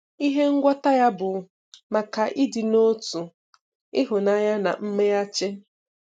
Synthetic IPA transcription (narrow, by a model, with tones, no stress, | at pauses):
i˦ɦe˦ŋ̩˦ɡʷɔ˦ta˦ja˦bʊ˨ | ma˨ka˨ʔɪ˦di˨no˦tu˨ | ɪ˦ɦʊ˨na˦ja˦na̰˨m̩˦me˦a˦t͡ʃe˦